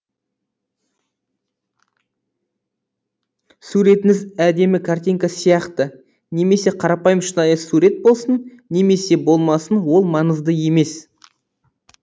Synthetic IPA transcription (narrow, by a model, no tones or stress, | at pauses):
suɾe̞t̪ɪŋɪzæd̪e̞mɪkʰart̪ʲijŋkasijɑqt̪ə | ne̞me̞se̞qʰɑɾɑpɑjəmʃənɑjəsuɾe̞t̪̚bo̞lˠsən | ne̞me̞se̞bo̞lˠmɑsənwo̞lˠmɑɴəzd̪əje̞me̞s